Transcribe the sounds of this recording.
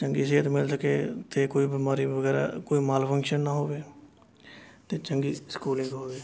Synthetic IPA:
t͡ʃəŋɡiːs̬ɪɦət̪mɪlsəkeːt̪ʰeːkoːiːbɪmaːɾiːʋəɡɛːɾa̰ːkoːiːmaːlpʰəŋkʃənːaːɦoːʋeː | t̪eːt͡ʃəŋɡiːskuːlɪ̃ŋɡɦoːʋeː

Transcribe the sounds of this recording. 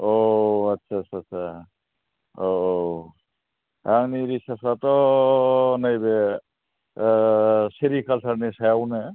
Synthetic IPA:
oɐtːʃʰat͡ʃʰasʰa | oo | aŋniɾisasat̪ɔ | najbe | seɾikalsʰəɾnisajawne

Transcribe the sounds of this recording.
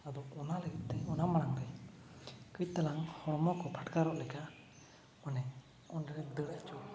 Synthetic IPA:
ad̪ɔɔnaləkit̪̚t̪ɛɔnamaɽ̃aŋɾɛ | kət̪alaŋhɔɾmɔkɔpʰaʈkaɾɔʔlɛka | manɛ | ɔnɾɛd̪əɽaʔt͡ʃu

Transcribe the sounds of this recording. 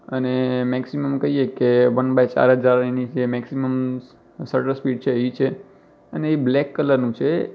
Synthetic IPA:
ənemɛksiməmkəɦijekeʋənbajt͡ʃa̰ɾɦəd͡ʒaɾenit͡ʃʰemɛksiməm | səʈəɾspiɖ̚t͡ʃʰeʋit͡ʃʰe | əneːblɛkːələɾnũt͡ʃʰe

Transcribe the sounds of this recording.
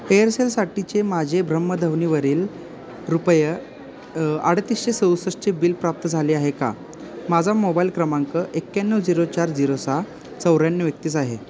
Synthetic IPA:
ejəɾselsaʈit͡ɕemad͡ʑʱebʱɾəmːəd̪ʱəʋniːʋəɾiːl | ɾupəjə | aɽ̤t̪iːsɕesəwsəʂt͡ɕebiːlpɾap̚t̪əd͡zʱaliːaɦeka̰ | mad͡zʱamobailkɾəmaŋkəʔekːjanːəwd͡ziɾot͡ɕaɾd͡ziɾosa | t͡səwɾjanːjəʋjək̚t̪iːt͡saɦe

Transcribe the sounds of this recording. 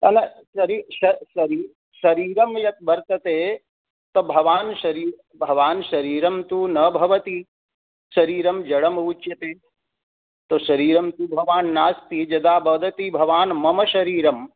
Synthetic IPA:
ɐnɐ | ʃɐɾiːʃɐʃɐɾiː | ʃɐɾiːɾɐmjɐt̪̚bɐɾt̪ɐt̪eː | t̪obʱɐʋaːnʃɐɾiːɾ | bʱɐʋaːnʃɐɾiːɾɐmt̪uːnɐbʱɐʋɐt̪i | ʃɐɾiːɾɐmd͡ʒɐɽɐmɐut͡ʃjɐt̪eː | t̪oʃɐɾiːɾɐmt̪ubʱɐʋaːnːaːst̪id͡ʒɐd̪aːbɐd̪ɐt̪ibʱɐʋaːnmɐmɐʃɐɾiːɾɐm

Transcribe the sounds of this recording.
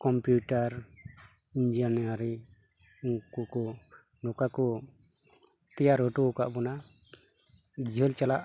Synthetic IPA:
kɔmpjuʈaɾ | ind͡ʒianaɾi | uŋkukɔ | nɔkakɔ | t̪ɛjaɾɔʈɔka̰ʔbɔna | d͡ʒiɦɔlt͡ʃalaʔ

